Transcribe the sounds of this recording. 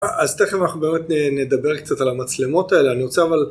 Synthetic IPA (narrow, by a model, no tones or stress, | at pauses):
aʔazt̪eχimanaχnubeme̞t̪nened̪abe̞ʁkt͡satalamat͡slemo̞tae̞leaniʁot͡seaval